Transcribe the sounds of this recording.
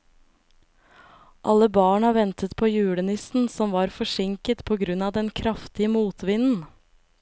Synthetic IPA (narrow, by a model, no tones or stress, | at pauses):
ʔɑləbɑːɳɑʋɛnt̪ət̪pʰoːjʉːɽənɪsn̩sɔmʋɑːɾfɔʂɪŋkət̪pʰoːɡɾʉnɑːd̪ɛnkʰɾɑft̪ɪəmuːt̪ʋɪnn̩